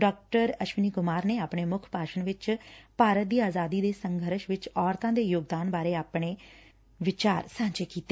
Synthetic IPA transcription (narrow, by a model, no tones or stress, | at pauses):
ɖɔːk̚ʈəɾəʃʋɪniːkʊmaːɾneːaːpɳ̃eːmʊkʰpaːʃənʋɪt͡ʃpaːɾət̪̚d̪iːaːzaːd̪iːd̪eːsə̃ŋɡʱəɾʃʋɪt͡ʃɔːɾt̪ãːd̪eːjoːɡd̪aːnbaːɾeːaːpɽ̃eː | ʋɪt͡ʃaːɾsãːt͡ʃeːkiːt̪eː